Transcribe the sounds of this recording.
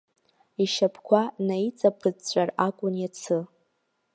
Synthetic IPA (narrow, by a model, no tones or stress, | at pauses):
iʃapʰkʷʰanajt͡sʼapʰɨt͡ɕʷʼarakʷʼʊnjat͡sʰɨ